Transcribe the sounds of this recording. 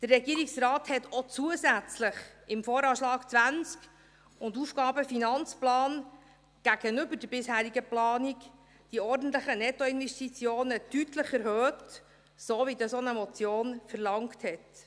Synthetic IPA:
d̥ərːɛɡiəɾiksrɑːthɛtot͡suəzæt͡slɪχɪmfoːɾɑːʃlɑːkt͡sʋænt͡sk | ʊndufɡ̥ɑːbəfinɑnt͡splɑːn | ɡ̥æɡ̥ənʏbədəɾbɪshæːɾiɡəplɑːnik | d̥iɔɾdn̩t̪ləχənɛtɔɪnvɛstit͡sjoːnətytləχɛɾhøːt | soːʋidɑsonəmɔt͡sjoːnfərlɑŋkthɛt

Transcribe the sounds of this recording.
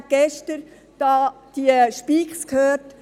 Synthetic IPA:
t̚ɡ̥ɛʃtəɾ | d̥ɑː | d̥iəʃpiːkskhøːrt

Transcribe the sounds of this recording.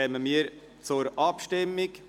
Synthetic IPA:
ɛməmiːəɾ | t͡sʊɾɑpʃtɪmːɪk

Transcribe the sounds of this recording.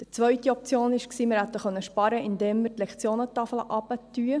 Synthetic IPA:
d̥it͡sʋœɥt̪iɔp̚t͡sjoːnɪʃksiːmɪɾhæt̪ːəχœnːəʃpɑɾəʔɪnd̪eːmːərt̪lɛkt͡sjoːnət̪ɑfəlʔɑbət̪yə

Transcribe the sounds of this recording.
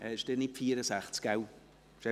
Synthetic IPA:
ɛɪʃd̥enɪpfiːəɾəsaχt͡skaw | ʃɛ

